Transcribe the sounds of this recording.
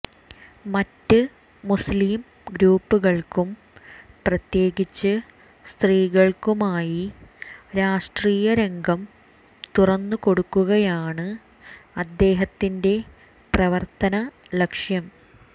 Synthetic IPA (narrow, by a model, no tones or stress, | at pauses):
mɐtːɨː | usliːm | ɡɾuːpːuɣɐɭkum | prɐt̪je̞ːɣit͡ɕːɨ | st̪riːɣɐɭkumaːji | ɾaːʂʈriːjɐɾe̞ŋɡɐm | t̪urɐnːuko̞ɽukːuɣɐjaːɳɨ | ɐd̪ːe̞ːɦɐt̪ːinde̞ | prɐʋɐrt̪ɐnɐ | lɐkʂjɐm